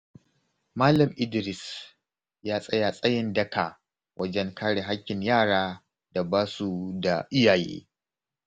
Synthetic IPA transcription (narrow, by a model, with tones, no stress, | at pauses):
maː˦lɐ˨mʔɪ˦dɪ˨ɾɪ˨s | jaː˦sʼɐ˦ja˨sʼɐ˦jɪ˨ndɐ˦ka˨ | wʔɐ˦d͡ʒɛ˦ŋkaː˦ɽe˨ɦa˦kʲːɪ˨ɲjaː˦˨ɽaː˦ | da˨baː˦su˦da˨ʔɪ˦jaː˨jḛː˦